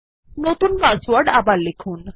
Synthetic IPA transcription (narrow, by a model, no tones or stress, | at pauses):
not̪unbaswaɾɖabaɾlekʰun